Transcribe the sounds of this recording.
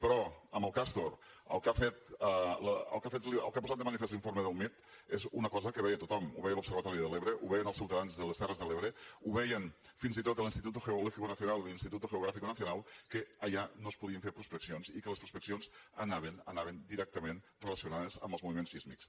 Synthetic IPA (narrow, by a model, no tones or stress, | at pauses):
pɾɔəmbəlˠkast̪oɾə̰lˠkafet̪̚ələə̰lˠkafet̪ləlˠkapozat̪d̪əmənifest̪liɱfoɾmeðəlˠmit̪ezunəkɔzəkəβɛjət̪ut̪ɔmṵβɛjəlupsəɾβət̪ɔɾiðəleβɾeʔuβɛjənəlˠsiwt̪əðanzðələst̪ɛrəzðəleβɾeuβɛjənfinzit̪ot̪əlinst̪it̪ut̪uxeulɔxikunəθiunalˠlinst̪it̪ut̪uɣeuɣɾafikunəθjunalˠkeəʎanospuðiəɱfeɾpɾuspeksionsikələspɾuspeksionzənaβenənaβend̪iɾɛk̚t̪əmen | reləsiunaðəzə̰mbəlzmuβimenssizmiks